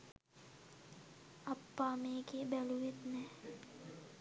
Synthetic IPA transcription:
apːaːmeːɡebæluʋet̪nɛː

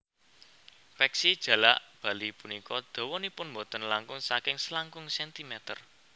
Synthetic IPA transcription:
fɛksid̥ʒ̥ä̤la̰ʔb̥ä̤lipunikɔd̪̥o̤wɔnipʊnmbɔt̪ɔnlaŋkʊŋsakɪŋslaŋkʊŋsɛnt̪imɛt̪ər

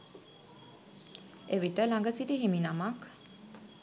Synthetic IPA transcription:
eʋiʈəlaŋɡəsiʈiɦiminamak

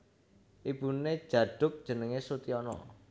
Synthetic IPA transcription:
ʔib̥une̥ʒ̥ä̤ɖ̥ʊ̤p̚d̥ʒ̥ənəŋesut̪iɔnɔ̰

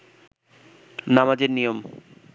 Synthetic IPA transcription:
namad͡ʑeɾnijom

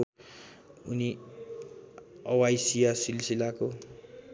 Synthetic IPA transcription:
uni | ʌwajsijasilsilako

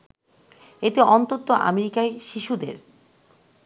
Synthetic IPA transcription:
et̪eʔɔnt̪ot̪ːoʔa̰meɾikaeʃiʃud̪ḛɾ

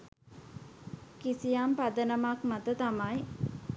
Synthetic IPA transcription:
kisijampad̪ənəmakmat̪ət̪amaj

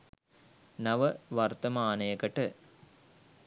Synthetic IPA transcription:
nɐʋəʋɐrt̪ɐmaːnɐjɐkɐʈə

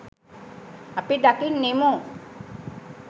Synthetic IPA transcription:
apidakiŋnːimu

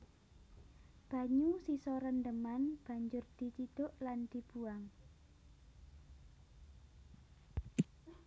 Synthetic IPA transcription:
b̥a̤ɲusisɔɾənd̪əmanb̥a̤ɲd͡ʒʊrd̪̥i̤t͡ʃid̪̥ʊʔland̪̥i̤b̥uaŋ

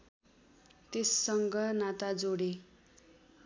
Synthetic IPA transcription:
t̪esːʌŋɡʌnat̪ad͡zoɽe

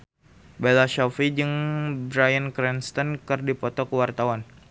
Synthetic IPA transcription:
belaʃɔfid͡ʒɨŋbɾajənkɾɛnst̪ɔnkɨrdipɔt̪ɔkəwart̪awan

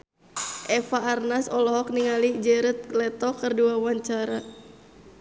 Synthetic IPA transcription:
ʔɛfaːrnasɔlɔɦɔk̚niŋalid͡ʒɛɾət̪̚lɛt̪ɔkərduawaɲt͡ʃaɾa

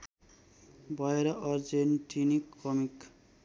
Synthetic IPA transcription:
bʱʌeɾʌʔʌrd͡zenʈinikːʌmik

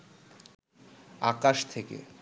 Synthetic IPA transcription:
a̰kaʃt̪ʰekḛ

